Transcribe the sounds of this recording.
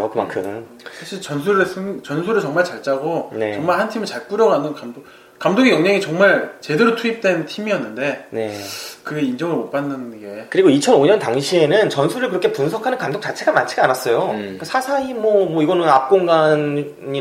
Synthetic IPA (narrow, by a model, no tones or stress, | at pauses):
okɯma̰nkʰɯm | sʰaɕʰiɭt͡ɕʌnsʰuɾɯɭsʰɯŋt͡ɕʌnsʰuɾɯɭt͡ɕʌŋmaɭt͡ɕaɭt͡ɕ͈aɡone̞t͡ɕʌŋmaɭɦhantʰimɯɭt͡ɕaɭk͈uɾjʌɡanɯnkamo | kamdoɡijʌŋɲaŋit͡ɕʌŋmaɭt͡ɕe̞de̞ɾotʰuip̚t͈we̞ntʰimiʌnːɯnde̞ne̞kɯɡeind͡ʑʌŋɯɭmop͈anːɯnɡe̞kɯɾiɡoit͡ɕʰʌnoɲʌntaŋɕʰie̞nɯnt͡ɕʌnsʰuɾɯɭkɯɾʌkʰepunsʰʌkʰanɯnkamdok̚t͡ɕ͈at͡ɕʰeɡamant͡ɕʰeɡanas͈ʌjokasʰasʰaimʌmwʌiɡʌnɯnap̚k͈oŋɡan | ɲi